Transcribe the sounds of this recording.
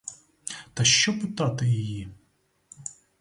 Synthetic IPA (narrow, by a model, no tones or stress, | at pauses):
t̪ɐʃt͡ʃɔpɪt̪ɑt̪ɪjɪji